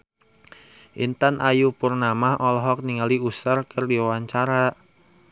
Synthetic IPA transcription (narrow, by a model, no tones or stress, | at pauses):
ʔḭnt̪anʔajupurnamahʔɔlɔɦɔk̚niŋaliusərkʰərdiwawaɲt͡ʃaɾa